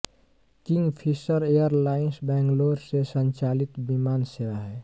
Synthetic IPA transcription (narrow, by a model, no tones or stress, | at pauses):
kɪ̃ŋɡpʰisəɾejəɾlaːɪnsbɛ̃ːŋɡloːɾsesə̃ɲt͡ʃaːlɪt̪bimaːnseɾaɦɛː